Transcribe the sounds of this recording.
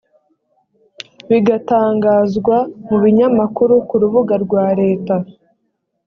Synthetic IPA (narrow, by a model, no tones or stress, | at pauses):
βiɡataːŋɡaːzɡwamuβiɲamakuɾukuɾuβuɡaɾɡwaːɾe̞ːta